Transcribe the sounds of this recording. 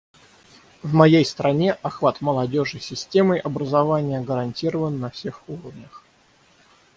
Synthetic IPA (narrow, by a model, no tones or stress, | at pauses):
vmɐjejst̪ɾɐnʲe̞ʔɐxvat̪məlˠɐdʲo̞ʐɨsʲɪsʲtʲe̞mɨʔɐbɾəzɐvanʲɪjəɡəɾɐnʲtʲiɾəvənːɐfsʲe̞xuɾəvnʲəx